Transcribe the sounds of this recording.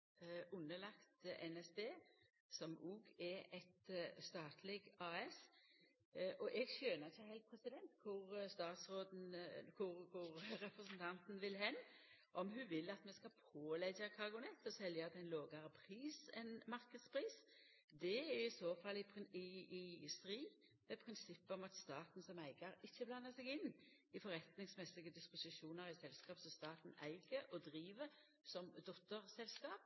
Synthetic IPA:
ʔʊnːəlɑkt̪ʔɛnɛsd̪eː | sɔmuːɡɛɛt̪st̪ɑːt̪ʰlɪɡɑːɛs | ʔɔʔɛɡʃøːnəʁɪçːəhɛɪlt̪̚pʰɾɛsɪd̪ɛnt̪kʰʊɾst̪ɑːt̪sɾoːd̪n̩kʰʊɾkʰʊɾɾɛpɾəsɛnt̪ʰɑnt̪n̩ʋɪlɦɛnːʔɔmɦʉʋɪlːɑt̪mɛskɑpʰoːlɛɡəkʰɑɡʊnɛt̪ːɔsɛljəɑt̪ɛɪnloːɡɑɾəpʰɾiːsɛ̰nmɑɾkəd̪spʰɾiːs | d̪ɛæɪsoːfɑlːɪɪɪst̪ɾiːd | mɛpʰʁɪnsɪpːəɔmɑt̪st̪ɑːt̪n̩sɔmæɪɡəɾɪçːəblɑnːəsɛɡɪnː | ɪfɔɾɛt̪nɪŋsmɛsɪɡəd̪ɪspʊsɪʃuːnəɾɪsɛlskɑːpsɔst̪ɑːt̪n̩æ̰ɪɡəʔɔd̪ɾiːʋə | sɔmd̪ɔt̪ːəɾsɛlskɑːp̚

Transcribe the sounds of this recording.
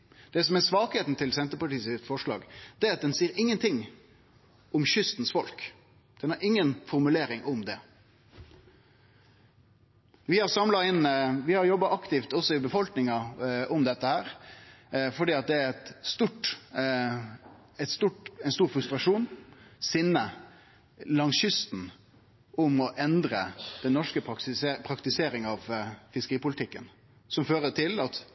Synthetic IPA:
d̪̥ɛsɔmæsʋɑːkheːt̪n̩t̪ʰɪlsɛnt̪əpɑʈiːsɪfɔʂɭɑ̰ːɡd̪̥ɛæɾɑt̪̚d̪ɛnsiːɾɪŋːənt̪ʰɪŋː | ɔmɕʏst̪n̩sfɔlk | d̪̥ɛnɑɾɪŋːənfɔɾmʉleːɾɪŋɔmd̪ɛ | ʋɪhɑɾsɑmlɑɪnʋɪhɑɾjɔbːɑɑkt̪ɪft̪ɔsːɔɪbəfɔlknɪŋɑɔmd̪ɛt̪ːəhæːɾ | fɔɖiːɑt̪̚d̪ɛæɾɛt̪st̪uʈ | ɛt̪st̪uʈæɪnst̪uːɾfɾʉst̪ɾɑʂuːnsɪnːə | lɑŋsjʏst̪n | ʔʊmɔʔɛnd̪ɾəd̪̥ɛnːɔʂkəpʰɾɑkt̪ɪseːɾɪŋɑʋfɪskəɾiːpʊlɪt̪ɪkːən | sɔmføːɾət̪ʰɪlɑt̪

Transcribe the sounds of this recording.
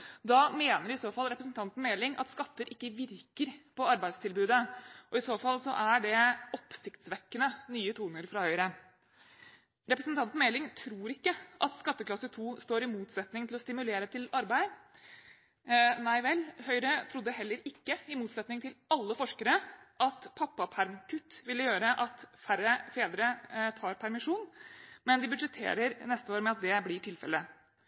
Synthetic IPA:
d̪ɑmeːnəɾɪsoːfɑlːɾɛpɾəsnt̪ɑnt̪n̩meːlɪŋʔɑ̰t̪skɑt̪ːəɾʔɪkːəʋɪɾkəɾpʰɔɑɾbæɪd̪st̪ʰɪlbʉːd̪əʔɔɪsoːfɑlːsɔʔæɖɛɔpsɪkt̪sʋɛkːənənyːət̪ʰuːnəɾfɾɑhœʏɾə | ɾɛpɾəsnt̪ɑnt̪n̩meːlɪŋt̪ʰɾuːɾɪkːəʔɑ̰t̪skɑt̪ːəkʰlɑsət̪ʰuːst̪oːɾɪmuːt̪sɛt̪nɪŋt̪ʰɪlɔst̪ɪmʉleːɾət̪ʰɪlɑɾbæɪ | næɪʋɛlhœʏɾət̪ʰɾʊd̪ːəhɛlːəɾɪkːəɪmuːt̪sɛt̪nɪŋt̪ʰɪlɑlːəfɔʂkəɾəʔɑt̪pʰɑpːɑpʰæɾmkʰʉt̪ːʋɪlːəjøːɾəʔɑt̪fæɾəfeːd̪əɾət̪ʰɑːɾpʰæɾmɪʂuːnmɛnd̪ɪbʉd̪d͡ʒət̪ʰḛːɾəɾnɛst̪əoːɾmɛɑt̪̚d̪ɛblɪʈʰɪlfɛ̰lə

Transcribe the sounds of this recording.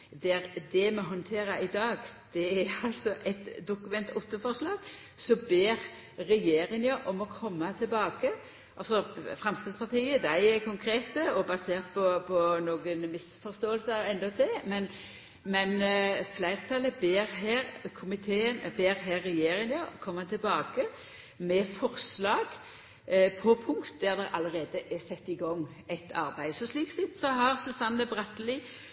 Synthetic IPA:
d̪ɛɾd̪ɛmɔɦɔnt̪ʰeːɾɑɪd̪ɑːɡd̪̥ɛæɑlsɔʔɛt̪d̪ʊkʉmɛnt̪ʊt̪ːəfɔɾslɑːɡ̥sɔmbeːɾː | ɛjeːɾɪŋɑʔɔmɔkʰɔmːɑt̪ʰɪlbɑːɡə | ʔɑlsɔfʁɛmst̪ɑd̪spɑʁt̪ʰiːəd̪æɪɛkʰʊŋkʰɾeːt̪əɔbɑseːʁt̪̚pʰɔpʰɔnoːɡənmɪsfɔɾst̪oːəlsəɛnd̪ɔt̪ʰɛmɛn | mɛnflæɪʁt̪ʰɑləbeːɾɦæːɾkʰʊmɪt̪ʰeːənbeːɾɦæːʁːɛjeːɾɪŋɑkʰɔmːət̪ʰɪlbɑːkə | mɛfɔʁslɑːɡ | pʰɔpʰʊŋkt̪d̪æʁd̪ɛɾʔɑ̰ləʁeːd̪əʔɛsɛt̪ːɪɡɔŋː | æɪt̪ʰɑ̰ɾbæɪsɔsliːksɪt̪sɔɦɑʁsʉsɑnːəbʁɑt̪lɪ

